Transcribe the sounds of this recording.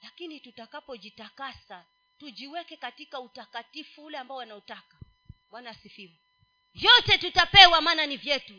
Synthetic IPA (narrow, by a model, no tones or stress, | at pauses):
lakinitutakapɔd͡ʒitakasa | tud͡ʒiwɛkɛkatikautakatifuulɛambaɔwanautaka | wanasifivu | jɔtɛtutapɛwamaːnanivjɛtu